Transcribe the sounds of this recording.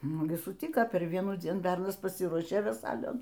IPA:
ˈnʊ ɡʲɪ sʊˈtʲɪkɐ pʲɛr ˈʋʲiɛnuːˌd͡zʲiɛn ˈbʲɛrnɐs pɐˈsʲiːruɔʃʲeː ʋʲɛˈsɐɪlʲoːn

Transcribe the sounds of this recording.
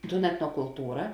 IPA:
tuːn ɛtnoːkʊlˠˈtuːrɐ

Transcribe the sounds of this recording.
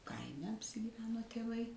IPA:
ˈkɐɪmʲɛ ɐpʲsʲɪɡʲiːˈʋʲæːnoː tʲeːˈʋɐɪ

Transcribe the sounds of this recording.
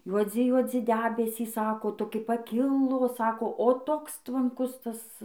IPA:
juɔˈd͡zʲɪ juɔˈd͡zʲɪ ˈdʲæːbʲɛsʲiːs ˈsɑːkoː toːˈkʲɪ pɐˈkʲɪlˠoː ˈsɑːkoː oː ˈtoːks tʋɐŋˈkʊs ˈtɐs

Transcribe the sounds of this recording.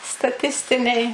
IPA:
stɐˈtʲɪsʲtʲɪnʲɛɪ

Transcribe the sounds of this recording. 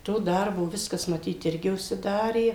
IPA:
ˈtoː ˈdɐrboː ˈʋʲɪskɐs mɐˈtʲiːt ˈɪrʲɡʲɪ ʊʃʲsʲɪˈdɑːrʲeː

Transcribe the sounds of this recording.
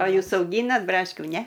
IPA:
ɐ ˈjuːs ɐʊˈɡʲiːnɐt ˈbrɑːʃʲkʲuː ˈnʲɛ

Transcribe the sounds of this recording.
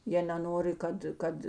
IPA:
ˈjiɛ nʲɛˈnoːrʲɪ ˈkɐt ˈkɐt

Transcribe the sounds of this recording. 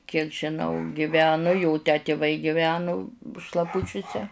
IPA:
kʲiɛk ʒʲɪˈnɐʊ ɡʲɪˈʋʲæːnʊ ˈjoː tʲæː tʲeːˈʋɐɪ ɡʲɪˈʋʲæːnʊ ʃlˠɐˈpʊt͡ʃʲʊsʲɛ

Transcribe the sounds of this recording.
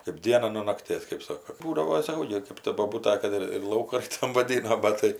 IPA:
kɐɪp ˈdʲiɛnɐ nuɔ nɐkˈtʲeːs kɜp ˈsoːkoː ˈbuːdɐʋoː sɐˈkɐʊ ɡʲɪ kɜp tɐ boːˈbuːtɐ ˈkɐt ɪr ɪr ˈlˠɐʊkɐn ˈtɐm ʋɐˈdʲiːnoː ˈbɐt tɐɪ

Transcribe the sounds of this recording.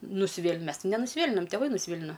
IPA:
nʊsʲɪˈʋʲeːlʲ ˈmʲɛs tʲɪ nʲɛnʊsʲɪˈʋʲeːlʲɪnɐm tʲɛˈʋɐɪ nʊsʲˈʋʲeːlʲɪnɐ

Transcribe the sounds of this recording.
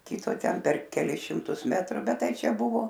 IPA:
ˈkʲɪtoː ˈtʲɛn pʲɛr kʲɛˈlʲɪs ʃʲɪmˈtʊs mʲɛtˈrʊ ˈbʲɛt ˈtɐɪ ˈt͡ʃʲɛ ˈbʊʋoː

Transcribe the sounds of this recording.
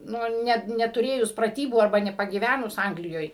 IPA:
ˈnʊ ˈnʲɛt nʲɛtʊˈrʲeːjʊs prɐˈtʲiːbuː ɐrˈbɐ nʲɛpɐɡʲiːˈʋʲænʊs ˈɐŋɡlʲɪjoːj

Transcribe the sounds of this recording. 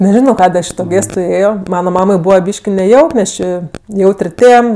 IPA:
nʲɛˈʒʲɪnoː ˈkɑːdʲeː ˈɐʃ ɪ toː ˈɡʲeːstʊ ˈeːjoː ˈmɑːnɐ ˈmɑːmɐɪ ˈbuːʋɐ ˈbʲiːʃʲkʲɪ nʲɛˈjɛʊk nʲɛs ˈt͡ʃʲɪ ˈjɛʊtʲrʲ ˈtʲeːm

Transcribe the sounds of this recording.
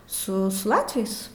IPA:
ˈsʊ sʊ ˈlˠɑːtʲʋʲɛɪs

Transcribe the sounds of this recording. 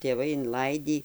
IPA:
tʲeːˈʋɐɪ ɪnˈlˠɐɪdʲiː

